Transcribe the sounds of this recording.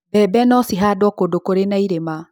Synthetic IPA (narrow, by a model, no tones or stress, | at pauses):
bɛbɛnɔsiɦaːdwɔkodokoɾenaiɾema